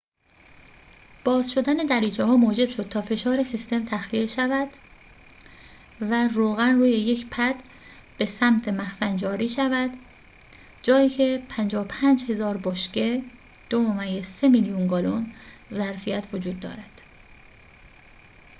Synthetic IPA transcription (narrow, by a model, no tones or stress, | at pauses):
b̥ɒːzʃo̞d̪æne̞d̪æɾiːt͡ʃʰehɒːmoːd͡ʒe̞b̥ʃo̞d̪̥̚t̪ʰɒːfe̞ʃɒːɾe̞sist̪e̞mt̪ʰæxliʃævæd̪̥ | væɾoːɣænruːje̞je̞cʰpʰæd̪̥ | b̥e̞sæmt̪ʰemæxsænd͡ʒɒːɾiːʃævæd̪ | d͡ʒɒːjiːcʰepʰænd͡ʒɒːopʰæːnd͡ʒhe̞zɒːɾboʃce | d̪̥omomæɡese̞milijunɡɒːlonzæɾfijæt̪ʰvod͡ʒuːd̪̚ːɒ̰ːɾæd̪̥